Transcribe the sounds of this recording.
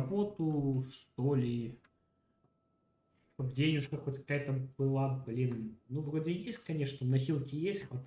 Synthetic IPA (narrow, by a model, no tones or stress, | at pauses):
bot̪ʊʂt̪olʲɪ | ʂt̪opd͡zʲenʲɪʂkɐkot̪kɐ̥kajət̪əbɨlˠablʲinnuvɾod͡zʲɪjesʲtʲkɐnʲeʂnənɐxʲilˠkʲɪjesʲtʲxɐt̪